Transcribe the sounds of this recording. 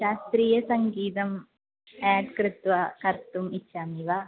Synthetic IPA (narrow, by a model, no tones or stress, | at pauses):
ʃaːst̪ɾiːjɐsɐŋɡiːt̪ɐm | aːɖkɾɪt̪ʋɐkɐɾt̪umitːʰaːmiʋaː